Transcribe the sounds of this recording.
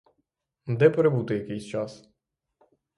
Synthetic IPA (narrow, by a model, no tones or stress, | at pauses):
d̪ɛpɾebut̪ɪjɐkejsʲt͡ʃɑs